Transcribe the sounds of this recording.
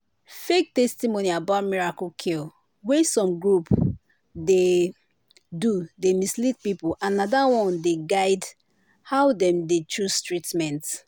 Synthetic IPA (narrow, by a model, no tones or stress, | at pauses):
fek̚tɛstimoniabaʊt̚miɹakokʰil | wɛsɔ̃mɡɹup | de | dudemislit̚pipuʔãnadawɔ̃ndeɡaɪd | haʊdɛ̃mdet͡ʃʰɹustɹitmɛ̃nt